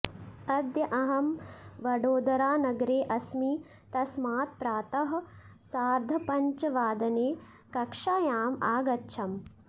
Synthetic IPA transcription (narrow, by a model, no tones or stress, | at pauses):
ɐd̪jɐʔɐɦɐmʋɐɖoːd̪ɐɾaːnɐɡɾeːʔɐsmiː | t̪ɐsmaːt̪̚pɾaːt̪ɐɦɐ | saːɾd̪ʱɐpɐɲt͡ʃɐʋaːd̪ɐneː | kɐkʂaːjaːmaːɡɐtːʃʰɐm